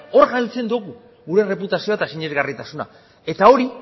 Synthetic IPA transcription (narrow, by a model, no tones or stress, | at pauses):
o̞ɾɣalt͡se̞nd̪uɣu | ɣuɾe̞re̞put̪asioat̪asiɲe̞zɣarit̪asuna̰ | e̞t̪ao̞ɾi